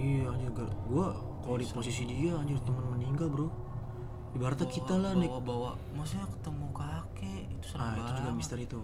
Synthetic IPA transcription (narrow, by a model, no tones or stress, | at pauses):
ijaːɲd͡ʒʊrɡaʔɡua | kalodiposisidiaːɲd͡ʒʊrt̪əmənməniŋɡalbəɾo | dibaɦart̪akit̪alahnabawa | masaakə̥t̪əmukake | it̪u̥səaiud͡ʒuɡamist̪ərit̪u